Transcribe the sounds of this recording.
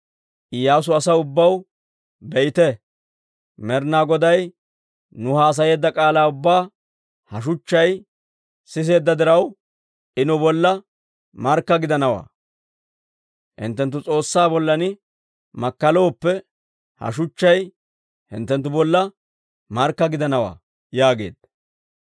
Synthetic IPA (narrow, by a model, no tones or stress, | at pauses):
ʔɪjaːs̬ʊɐsɐʊbːɐw | bɛʔɪt̪ɛ | mɛɾnaːɡɔd̪ɐj | nʊhaːs̬ɐje̞ːd̪ːɐkʼaːlaːʊbːaː | hɐʃ̬ʊt͡ʃːɐj | sɪs̬e̞ːd̪ːɐd̪ɪɾɐw | ʔɪnɔbɔlːɐ | mɐɾkːɐɡɪd̪ɐnɐwa̰ː | hɪ̰nt̪ːɛnt̪ːʊt͡sʼo̞ːsːaːbɔlːɐnɪ | mɐkːɐlo̞ːpːɛ | hɐ̰ʃ̬ʊt͡ʃːɐj | hɪ̰nt̪ːɛnt̪ːʊbɔlːɐ | mɐɾkːɐɡɪd̪ɐnɐwa̰ː | jaːɡe̞̰ːd̪̥